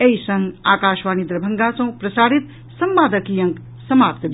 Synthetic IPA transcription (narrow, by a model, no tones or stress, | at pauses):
eisɐ̃ŋɡa̰ːkaːʃʋaːnid̪ɾɐbʱɐŋɡasɐ̃pɾɐsaːɽit̪ | sɐmbaːd̪əkijɐ̃ŋk | sɐmaːp̚t̪b